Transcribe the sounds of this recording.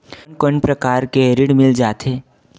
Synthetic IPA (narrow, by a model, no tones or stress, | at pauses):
nkənpɾɐkaːɾkeɾɪɽmɪld͡ʒaːt̪ɦeː